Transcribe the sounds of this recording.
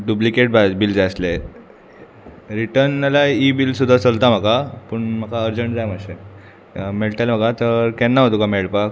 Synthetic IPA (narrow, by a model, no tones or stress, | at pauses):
ɖuplikeʈ̚babild͡zasle | ɾiʈəɾnalaibilsud̪ʱːat͡səlt̪am̤akapəɳm̤akaəɾd͡ʑəɳʈd͡zajmaɕe | meɭt̪alm̤akat̪əɾkɛnːaɦot̪okameɭpak